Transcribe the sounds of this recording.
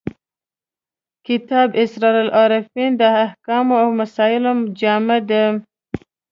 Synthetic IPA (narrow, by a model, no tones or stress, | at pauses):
kɪt̪ɑbɪsɾɑɾalʔɑɾafind̪əahkɑmoawmasɑɪlomd͡ʒɑmad̪e